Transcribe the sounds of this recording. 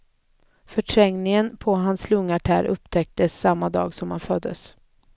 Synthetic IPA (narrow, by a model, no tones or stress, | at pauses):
fœʈʰɾɛŋnɪŋənpʰɔɦanslɵŋːaʈʰæːɾʔɵ̰pt̪ʰɛk̚t̪əsːamːad̪ɑ̰ːɡsɔmhanfœd̪ːə̰s